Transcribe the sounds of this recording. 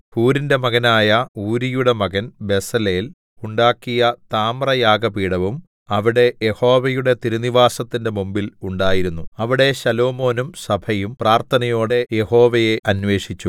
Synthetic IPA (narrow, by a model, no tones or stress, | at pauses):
huːɾinde̞mɐɣɐnaːjɐuːɾijuɽe̞mɐɣɐnbe̞sɐleːl | uɳɖaːkːijɐt̪aːmrɐjaːɡɐpiːɽɐʋum | ɐʋiɽe̞jeho̞ːʋɐjuɽe̞t̪iɾuniʋaːsɐt̪ːinde̞mumbiluɳɖaːjiɾunːuɐʋiɽe̞ɕɐlo̞ːmo̞ːnumsɐbʱʰɐjumpraːrt̪ʰɐnɐjo̞ːɽe̞je̞ho̞ːʋɐje̞ʔɐnʋe̞ːʂit͡ɕːu